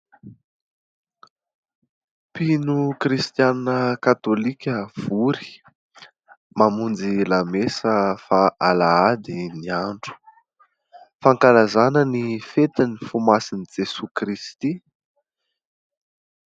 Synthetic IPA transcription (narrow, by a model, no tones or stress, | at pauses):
pinukɾist̪jannəkat̪olikʲəv̥uɾi̥ | mamund͡zilamesəfaʔalaad̪iniaɳɖ͡ʐu̥ | faŋkalazanənifet̪inifumasinid͡ʒesukɾist̪i